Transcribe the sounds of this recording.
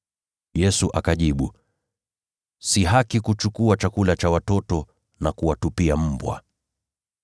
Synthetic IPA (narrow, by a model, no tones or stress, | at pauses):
jɛsuʔakaʄiɓu | siɦakikut͡ʃukuat͡ʃakulat͡ʃawatɔtɔ | nakuwatupiam̩bwa̰